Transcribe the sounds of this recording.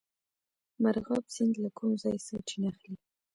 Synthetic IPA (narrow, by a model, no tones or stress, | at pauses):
maɾɣɑbsɪnd̪lakʰumzɑjsaʈ͡ʂinaxli